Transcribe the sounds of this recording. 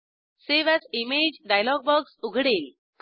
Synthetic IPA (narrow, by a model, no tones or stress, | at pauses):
seʋat͡simed͡ʑɖajlɔɡ̚bɔɡsuɡʱɽel | k